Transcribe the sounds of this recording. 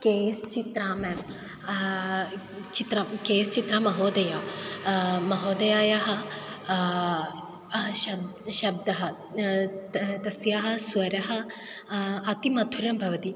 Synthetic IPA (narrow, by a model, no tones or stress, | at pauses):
keːst͡ʃit̪ɾaːmeːm | t͡ʃit̪ɾɐkeːst͡ʃit̪ɾɐmɐɦoːd̪ɐjaː | mɐɦoːd̪ɐjaːjaɦɐ̆ | ʃɐʃɐb̚d̪ɐɦɐ | t̪ɐsjaɦɐ̆sʋɐɾɐɦɐ̆ | ɐt̪imɐd̪ʰʱuɾɐmbʱɐʋɐt̪i